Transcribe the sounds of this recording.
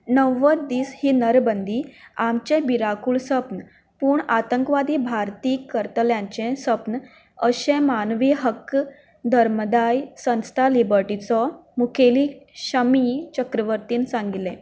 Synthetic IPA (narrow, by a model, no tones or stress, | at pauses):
nəʋəd̪iːshiːnəɾbənd̪ʱiːamt͡ɕẽbiɾakuːɭsəpn | puːɳat̪əŋkʋad̪iːbʱaɾt̪iːkːəɾt̪əljãɲt͡ɕẽsəpn | əɕẽmanʋiɦək | d̪ʱəɾməd̪ajsə̃nst̪ʰalibəɾʈit͡sɔmukʰeliːɕəmit͡ɕəkɾəʋəɾt̪iːnsãŋɡilẽ